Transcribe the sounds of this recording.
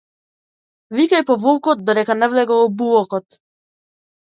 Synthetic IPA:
vikajpɔvɔlˠkɔt̪̚d̪ɔɾɛkanɛvlɛɡɔɔbulɔkɔt̪

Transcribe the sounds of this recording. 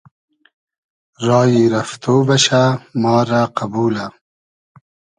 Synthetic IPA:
ɾɑːjiɾɐft̪ʰoːbɐɕamɑːɾaqabuːla

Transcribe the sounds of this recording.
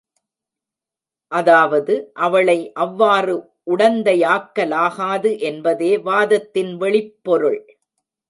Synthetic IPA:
ʔɐðaːʋɐðɯʔɐʋɐɭɐɪʔɐʋːaːrɯ | ʔʊɽɐnd̪ɐɪaːkːɐlaːɣaːðɯʔɛnbɐðeːʋaːðɐt̪ːɪnʋɛɭɪpːɔɾɯɭ

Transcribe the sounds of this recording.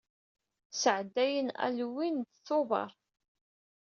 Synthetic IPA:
səʕd̪ːæjənæ̰lwint̪θovɑ̰ɾˤ

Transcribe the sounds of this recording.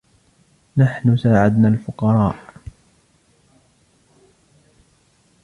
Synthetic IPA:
naħnʊsaːʕad̪nalfʊqɑɾˤɑːʔ

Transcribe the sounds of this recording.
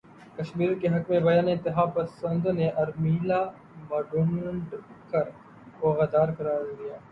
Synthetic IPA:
kɐʃmiːɾkeɦɐkmẽbɐjaːnẽt̪ɪɦaːpɐsə̃nd̪neʔɐɾmiːlaː | mɐɖoːnə̃ɳɖkɐɾ | koːɣɐd̪aːɾkɐɾaːɾd̪ijaː

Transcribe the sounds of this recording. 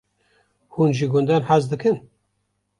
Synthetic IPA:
hunʒiɡʊnd̪anħazd̪ɨkʰɨn

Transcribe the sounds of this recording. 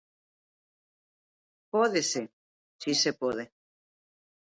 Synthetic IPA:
poðese | sisepoðe

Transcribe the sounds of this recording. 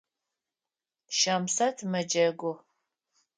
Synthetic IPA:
ʃɐmsɐtʰmɐd͡ʒɐɡʷʊ

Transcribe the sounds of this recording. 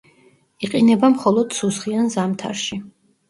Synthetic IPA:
iqʼinɛbamχɔlˠɔd̪susχianzamt̪ʰa̰ɾʃi

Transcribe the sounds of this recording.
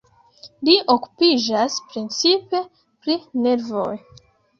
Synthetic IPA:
liʔoku̥pid͡ʒaspɾint͡sipe̞ | pɾine̞ɾvo̞̰j

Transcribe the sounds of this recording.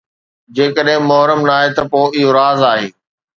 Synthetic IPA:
d͡ʑeːkəɗɦɪ̃mʊɦɾəmnaːɦet̪ɐpoːɪɦoɾaːzaːɦeː

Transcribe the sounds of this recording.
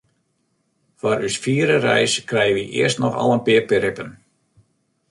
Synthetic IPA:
faɾysfiːəɾərɛ̰jskrɛjəʋiʔɪ̰ərstnɔxɑ̰lˠənpɪərpɪɾɪpən

